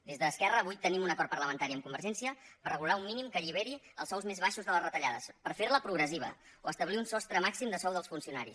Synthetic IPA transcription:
d̪ezðəːskɛrəːβujt̪ənimunəkɔɾt̪̚pəɾləmənt̪aɾiəmkumbəɾʒɛnsiəpərəɣulˠaumːinimkəʎiβ̞eɾiə̰lˠsɔwzmezβaʃuzðələzrət̪əʎaðəspəɾfeɾləpɾuɣɾəziβ̞ə̰oəst̪əβliunsɔst̪ɾəmaksimd̪əsɔwðəlˠsfunsiunaɾḭs

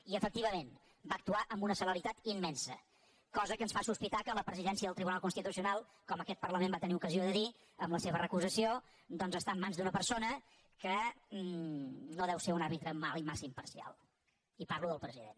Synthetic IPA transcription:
iəfək̚t̪iβəmen | bak̚t̪uaʔəmbunəsələɾit̪at̪imːɛnsə | kɔzəkənsfasuspit̪akələpɾəziðɛnsiəðəlˠt̪ɾiβunalˠkunst̪it̪usiunalˠ | kɔməkɛt̪̚pərləmembat̪əniukəzioðəði | əmləseβərəkuzəsio | d̪ɔnzəst̪amːanzd̪unəpəɾsonə | kə | noðɛwseɾunaɾβit̪ɾəmalimasəimpəɾsia̰lˠ | ipaɾluðəlˠpɾəziðḛn

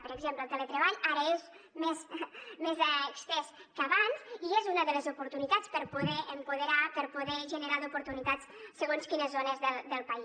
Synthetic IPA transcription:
pəɾəɡzempləlˠt̪ələt̪ɾəβaʎaɾəez | mezmezəkst̪ɛskəβanziezunəðələzupuɾt̪unit̪at͡spəɾpuðɛʔəmpuðəɾapəɾpuðɛʒənəɾaðupuɾt̪unit̪at͡ssəɣonskinəzonəzðəld̪əlˠpəi

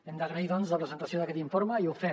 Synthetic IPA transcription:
end̪aɣɾaiðonzðapɾesent̪asjoðaket̪iɱfoɾmaiufɛ

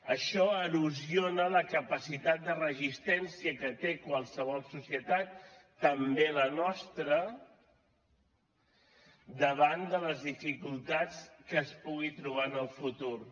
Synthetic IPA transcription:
əʃɔəluzionələkəpəsit̪at̪̚d̪ərəzist̪ɛnsiəkət̪ekwəlˠsəβ̞ɔlˠsusiət̪at̪̚ː | əmbelənɔst̪ɾə | d̪əβand̪ələzðifikulˠt̪at͡skəːspuɣit̪ɾuβ̞anəlˠfut̪uɾ

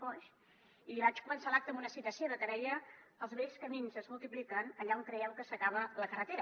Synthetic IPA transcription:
fɔʃ | iβat͡ʃkumənsalak̚t̪əmbunəsit̪əsioðət̪əɾɛʎəəlˠzβɛʎskəminzəzmulˠt̪iplikənəʎauŋkɾəɛwkəsəkaβ̞ələkərət̪eɾə

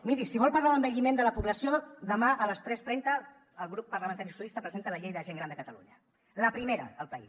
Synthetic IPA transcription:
miɾisiβ̞ɔlˠpəɾlaðəmbəʎimend̪ələpuβləsioðəmaʔələst̪ɾɛst̪ɾɛnt̪əː | lˠɣɾupːəɾləmə̃nt̪aɾiusjulist̪əpɾəzent̪ələʎejðəʒeŋɡɾand̪əkət̪əlṵɲə | ləpɾimeɾə̰əlˠpəḭ

